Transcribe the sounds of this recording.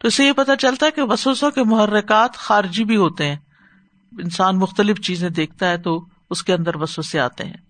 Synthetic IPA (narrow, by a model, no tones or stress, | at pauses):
t̪oɪsejepɐt̪at͡ʃɐlt̪aɦɛkeʋɐsəsõkemʊɦərːɪkaːt̪xaːɾɪd͡ʒibʱiɦoːt̪eɦɛ̃ː | ɪnsaːnmʊxt̪əlɪft͡ʃiːzẽd̪eːk̚ʰt̪aɦɛt̪o | ʊskeɐ̃nd̪əɾʋɐsʋəsea̰ːt̪ḛɦɛ̰̃ː